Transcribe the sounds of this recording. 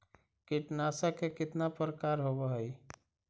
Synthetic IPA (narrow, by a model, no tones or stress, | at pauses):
kiʈnasakekɪt̪napɾəkaɾɦobəɦəj